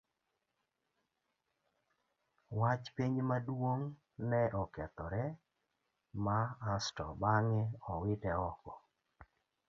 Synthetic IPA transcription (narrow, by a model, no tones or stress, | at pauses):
wat͡ʃpiɲmadwoŋ | nɛʔɔkɛt̪ɔɾɛ | maːstɔ̰baŋɛɔwɪtɛɔkɔ